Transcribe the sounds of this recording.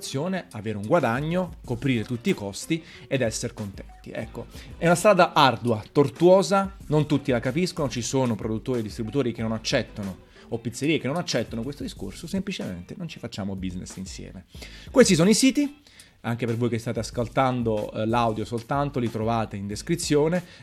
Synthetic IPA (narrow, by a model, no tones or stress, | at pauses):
t̪sːjoːneaveːɾeuŋɡwad̪aɲːokopɾiːɾet̪ut̪ːiːkɔst̪i | ed̪ɛsːeɾkont̪ɛnt̪ḭɛ̰kːo̰ɛunast̪ɾaːd̪aʔard̪uat̪ort̪uɔːzanont̪ut̪ːilakapiskonot͡ʃisoːnopɾod̪ut̪ːoːɾied̪ist̪ɾibut̪oːɾik̟enːonat͡ʃːɛt̪ːono | opːit̪sːeɾiːekenːonat͡ʃːɛt̪ːonokwest̪od̪isko̰rsosemplit͡ʃemḛnt̪enont͡ʃi̥fat͡ʃːaːmobiznḛsinsjɛ̰ːmekwest̪is̬oːnoisiːt̪i | aŋk̟epervoːjkest̪aːt̪easkolt̪and̪olawd̪josolt̪ant̪olit̪ɾovaːt̪eind̪eskɾit̪sːjoːne